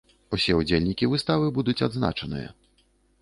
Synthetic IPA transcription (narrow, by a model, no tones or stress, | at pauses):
usʲɛud͡zʲelʲnʲikʲivɨst̪avɨbud̪ut͡sʲad̪zna̰t͡ʂɐnɨ̰jɐ̰